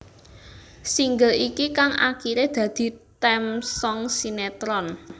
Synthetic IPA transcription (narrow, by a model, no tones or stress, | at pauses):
siŋɡəlikikaŋa̰kiɾed̪̥ä̤d̪̥i̤t̪ɛmsɔŋsinet̪ɾɔn